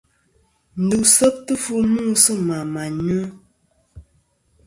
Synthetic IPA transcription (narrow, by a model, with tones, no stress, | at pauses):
n̩˨˦du˨ʔsə˦p̚tɨ˦fu˦˨muː˦˨sɨ˦ma˨ma˨ɲə˦